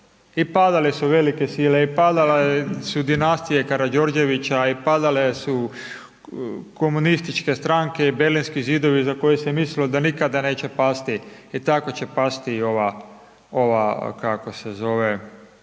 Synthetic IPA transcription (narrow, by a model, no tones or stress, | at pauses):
ipad̪alesuʋe̞like̞siːleipad̪alesud̪inast̪ije̞kaɾad͡ʒo̞ɾd͡ʒe̞ʋit͡ɕaipad̪alesu | ko̞munist̪it͡ʃke̞st̪ɾaŋke̞ibeɾlinskizid̪o̞ʋizako̞jesemislilod̪anikad̪ane̞ːt͡ɕe̞past̪iit̪ako̞t͡ɕe̞past̪io̞ʋa | oʋakako̞sezo̞ʋe